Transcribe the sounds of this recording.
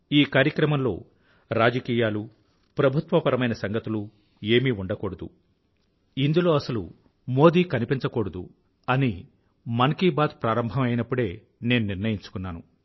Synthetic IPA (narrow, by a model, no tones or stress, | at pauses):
iːkaːɾjɐkɾɐmɐmlo̞̰ː | ɾaːd͡ʒɐkiːjaːlu | pɾɐbʱut̪ʋɐpɐɾɐmɐjnɐsɐŋɡɐt̪ulu | e̞ːmiuɳɖɐkoːɽɐd̪ṵ | ind̪ulo̞ːɐsɐlṵ | mo̞ːd̪iːkɐnipiɲt͡ʃɐkoːɽɐd̪ṵ | ɐni | mɐŋkiːbaːd̪pɾaːɾɐmbʱɐmɐjnɐpːuɽe̞ː | ne̞ːnuniɾnɐjiɲt͡ʃu̥kunːaːnu